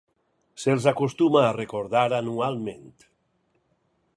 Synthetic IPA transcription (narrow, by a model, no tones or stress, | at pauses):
selˠzakost̪umaːrekoɾðaɾanualˠment̪